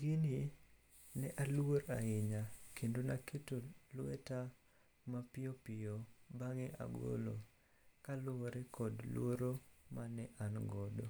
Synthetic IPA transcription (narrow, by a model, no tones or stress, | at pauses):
ɡini | nɛʔalwoɾa̰ɪɲakendonaketolʊwɛta | mapɪopɪobaŋeʔa̰ɡo̰lo̰ | kalʊoɾɛkɔdlw̰oɾomanɛʔanɡɔdo